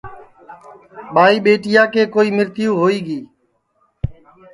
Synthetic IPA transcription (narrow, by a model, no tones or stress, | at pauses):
ɓaːiːɓeːʈɪjaːkeːkoːiːmɪɾt̪ɪjuːɦoːiːɡiː